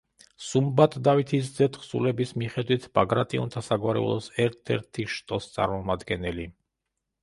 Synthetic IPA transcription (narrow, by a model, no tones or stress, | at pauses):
sumbat̪ʼd̪avit̪ʰiszɛt̪ʰχsulɛbismiχɛd̪wit̪ʰb̥aɡɾat̪ʼiṵnt̪ʰasaɡwaɾɛ̰ṵlˠɔsɛɾt̪ʰɛ̰ɾt̪ʰiʃt̪ʼɔst̪sʼa̰ɾmɔmad̪ɡɛnɛli